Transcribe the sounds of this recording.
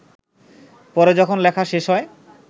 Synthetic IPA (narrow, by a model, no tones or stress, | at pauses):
pɔɾed͡ʑɔkʰonlɛkʰaʃeʃɦɔe